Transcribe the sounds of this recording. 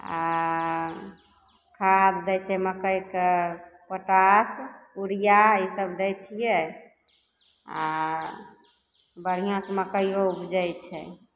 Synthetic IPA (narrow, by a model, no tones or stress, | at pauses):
a̰ | kʰad̪d̪ɛjt͡ʃʰɛməkəj̪kepəʈasuɾijaisəbd̪ɛjt͡ʃʰijɛ | a | bəɽ̤ijãsməkəjjoupd͡ʒəjt͡ʃʰɛ̰